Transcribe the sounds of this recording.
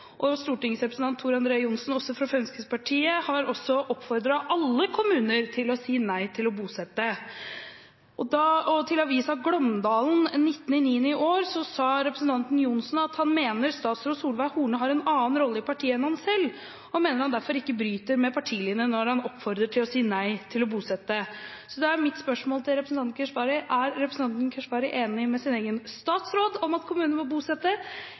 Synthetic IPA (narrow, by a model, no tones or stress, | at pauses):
ʔɔst̪uːʈɪŋsɾɛpɾəsn̩ʰɑnt̪ʰːuːɾɑnd̪ɾeːəjʊnsnɔsɔfɾɑfœnskəspʰɑʈʰiːəhɑɾɔsɔʔɔpːfɔɾd̪ɾɑʔɑlːəkʰʊmʉːnəɾt̪ʰɪlɔsiːnæɪt̪ʰɪlɔbuːsɛt̪ːə | ʔɔd̪ɑɔt̪ʰɪlɔɑʋiːsɑɡlœmd̪ɑːln̩nɪt̪ːn̩ɪniːənəɪʔoːɾsɔsɑːɾɛpɾəsən̩t̪ɑnt̪n̩jʊnsn̩ɑt̪hɑnmeːnəɾst̪ɑːt̪sɾoːd̪suːlʋæɪhuːɳəɦɑɾɛnɑːnɾɔlːəɪpʰɑʈʰiːəɛnhɑnsɛlː | ɔmeːnəɾhɑnd̪æɾfɔɾɪkːəbɾyːt̪əɾmɛpʰɑʈʰiːlɪːnənɔɾhɑnɔpːfɔɾd̪ɾəʈʰɪlɔsiːənæɪt̪ʰɪlɔbuːsɛt̪ːəsɔd̪ɛæɾmɪt̪spœʂmoːlt̪ʰɪlɾɛpɾəsn̩t̪ɑnkʰɛʂbɑːɾɪʔæɾɾɛpɾəsn̩ɑnt̪nkʰɛʂbɑːɾɪʔeːnɪmɛsɪneːɡənst̪ɑːt̪sɾoːd̪ɔmɑt̪kʰʊmʉːnnmɔbuːsɛt̪ːə